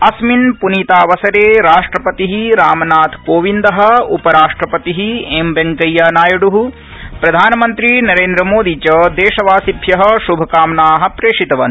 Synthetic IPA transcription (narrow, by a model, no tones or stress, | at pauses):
ɐsminpuniːt̪aːʋɐsɐɾeːɾaːʂʈɾɐpɐt̪iɦiɾaːmɐnaːt̪ʰkoːʋind̪ɐɦɐ̆upɐɾaːʂʈɾɐpɐt̪iɦiembɐŋkɐjːaːnaːjɐɽuɦu | pɾɐd̪ʱaːnɐmɐnt̪ɾinɐɾeːnd̪ɾɐmoːd̪it͡ʃɐd̪eːʃɐʋaːsibʱjɐɦɐ̆ʃubʱɐkaːmnaːɦɐ̆pɾeːʂit̪ɐʋɐ̰n